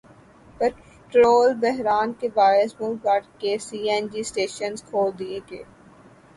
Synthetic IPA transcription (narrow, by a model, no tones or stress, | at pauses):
pɛ | ʈɾoːlbɛɦɾaːnkebaːɪsmulpaːɾʈkesiːɛnd͡ʒiːsʈeːʃənzkʰoːld̪ieːɡḛː